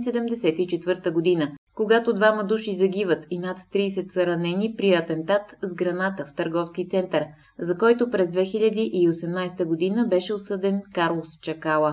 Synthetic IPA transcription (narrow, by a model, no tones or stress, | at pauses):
sɛd̪ɛmd̪ɛsɛt̪it͡ʃɛt̪vɤɾt̪əɡod̪inəkoɡat̪od̪vamɐd̪uʃizɐɡʲivət̪inat̪ːɾiːsɛt̪səɾɐnɛnipɾiɐt̪ɛnt̪at̪zɡɾɐnat̪əft̪əɾɡɔfskit̪sɛnt̪əɾ | zɐkɔjt̪opɾɛzd̪vɛxiʎʲɐd̪iʔiosɛmnajst̪əɡod̪inəbɛʃɛosɤd̪ɛnkaɾlˠost͡ʃɐkalˠə